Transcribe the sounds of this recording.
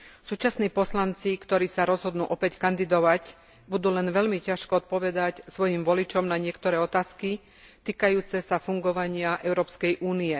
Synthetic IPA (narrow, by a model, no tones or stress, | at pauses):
suːt͡ʃasniːpɔslant͡sikt̪ɔɾiːsaɾɔzɦɔd̪nuːʔɔpɛckand̪id̪ɔʋac | bud̪uːlɛnʋɛʎmicaʃkɔɔt̪̚pɔʋɛd̪acsʋɔjimʋɔlit͡ʃɔmnaɲɪɛkt̪ɔɾɛːɔt̪aːski | t̪iːkajuːt͡sɛsafuŋɡɔʋaɲɪaʔɛʊɾɔːpskɛjʔuːniɛ